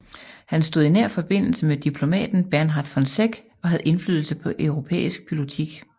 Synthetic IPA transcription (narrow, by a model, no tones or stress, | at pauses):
hænsd̥o̝ðˠinæɐ̰fɒ̽b̥e̝n̰l̩səmed̥ipʰlo̝mɛ̰ːd̥n̩b̥æɐnɦɑ̈d̥fɒ̽nseɡ̥ | ɒ̽ɦæðˠe̝nflyːðˠl̩səpʰɒ̽ʔœʊʁo̝pʰḛːisɡ̥̚b̥i̥iot͡sʰiɡ̥